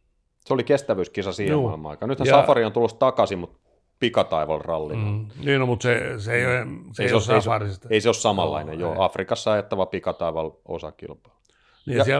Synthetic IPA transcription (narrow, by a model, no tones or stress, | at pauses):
seolikest̪æʋyskisɑsiːhemːmːɑ̰ikɑnnyt̪hæsɑfɑriont̪ulːost̪ɑkɑsimut̪ | pikɑt̪ɑiʋɑ̰lrɑlːinniːnomut̪seseioeseiseoseiɑrist̪eiseossɑmɑ̰lːɑ̰inḛjjoːʔɑfrikɑsːɑɑjet̪ːɑʋɑpikɑt̪ɑiʋɑlo̰sɑ̰kḭlpɑ̥l | niɑsiæ